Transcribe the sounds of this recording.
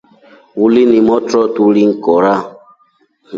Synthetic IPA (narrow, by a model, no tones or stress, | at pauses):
wulinimɔtɾɔtuɾiŋ̩kɔɾa